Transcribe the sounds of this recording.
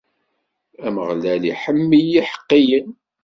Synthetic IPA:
æməʁlælḭħəmːijiħə̥qːijən

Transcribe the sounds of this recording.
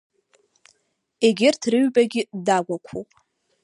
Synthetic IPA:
eɡʲɪrtʰrɨɥbaɡʲɪdaɡʷakʷʰopʼ

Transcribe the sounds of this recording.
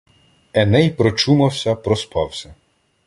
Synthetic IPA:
ɛnɛjpɾɔt͡ʃumɐwsʲɐpɾɔspɑwsʲɐ

